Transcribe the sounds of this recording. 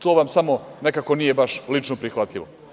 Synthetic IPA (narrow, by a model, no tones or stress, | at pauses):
t̪oːʋamsamo̞ne̞kako̞nijebaʃlit͡ʃnopɾixʋat̪ʎiʋo